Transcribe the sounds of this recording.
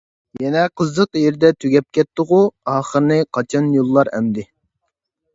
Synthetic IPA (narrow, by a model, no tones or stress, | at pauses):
jɛnɛqʰəzːəqjeɾd̪ɛt̪ʰyɡʲɛp̚kʲɛt̪ːʊʁuɑːχəɾɨnɨqʰɑt͡ʃʰɑnjolˠːɑɾɛ̰md̪ɪ